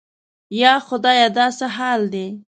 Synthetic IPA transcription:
jɑxʊd̪ɑjɑd̪ɑsaɦɑld̪e

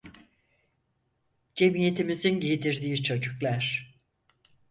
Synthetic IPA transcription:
d͡ʒe̞mije̞t̪ʰimizinɟed̪iɾd̪iːt͡ʃʰo̞d͡ʒuklˠaɾ̥

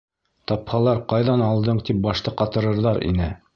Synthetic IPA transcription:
t̪ɑphɑlˠɑɾqɑjðɑnɑlˠd̪ɤɴt̪ip̚bɑʃt̪ɤqɑt̪ɤ̆ɾɤ̆ɾðɑɾḭnɘ

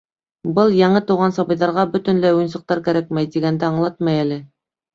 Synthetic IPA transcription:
bɤlˠjɑɴɤt̪ɤ̆wʁɑnsɑβɤ̆jðɑɾʁɑbɵ̆t̪ɵ̆nlæjujnsɤ̆q̚t̪ɑɾkæɾæk̚mæjt̪iɡænd̪æɑɴlˠɑt̪̚mɑjælɘ

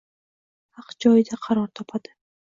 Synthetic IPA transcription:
hɑqd͡ʒɒjɪd̪aqʰɑɾɒɾt̪ʰɒpʰad̪̥ɪ

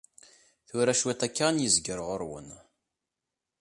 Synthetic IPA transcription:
θuɾæʃwæt̪ækːanjəzɡəɾʁəɾwə̰n

